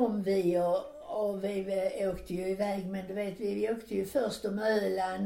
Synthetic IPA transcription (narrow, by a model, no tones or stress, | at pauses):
ɔmːvɪɔ | ɔvɪoːkt̪ʰəjɵɪvɛːɡmɛnd̪ʉveːt̪vɪoːkt̪ʰəjʉfœɾʂt̪ɔmøːlan